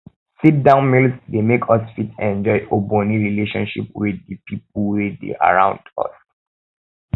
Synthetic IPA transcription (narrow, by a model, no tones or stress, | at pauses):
sit̚dãʊ̃nmilsdemekʰɔsfitɛ̃nd͡ʒɔɪʔoboniɹileʃɔ̃nʃḭpwiddəpʰip̚l̩wɛdḛʔa̰ɹã̰ʊ̃ndɔ̰s